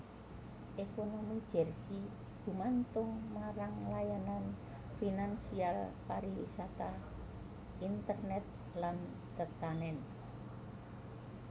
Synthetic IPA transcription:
ʔekonomid̥d͡ʒ̥ɛ̤rsi | ɡ̥ṳmant̪ʊŋmaɾaŋlajanan | finansialpaɾiwḭsat̪a | int̪ərnɛt̪̚ | lan | t̪ət̪anɛn

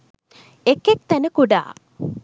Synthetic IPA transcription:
ekːek̚t̪ænəkuɖa̰ː

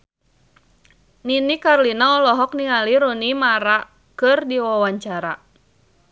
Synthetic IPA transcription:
ninikarlinaɔlɔɦɔk̚niŋaliɾunimaɾa | kɨrdiwawaɲt͡ʃaɾa

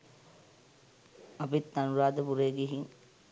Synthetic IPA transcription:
apit̪ːanuɾaːd̪əpuɾejɡiɦin

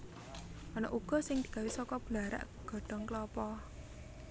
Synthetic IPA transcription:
ʔɔnɔ̰ʔuɡ̥ɔ̤sɪŋd̪̥i̤ɡ̥awisɔkɔb̥laɾa̰ʔ | ɡ̥ɔ̤ɖ̥ɔ̤ŋklɔpɔ

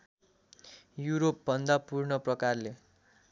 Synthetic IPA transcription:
juɾop̚bʱʌnd̪apurnʌprʌkarle

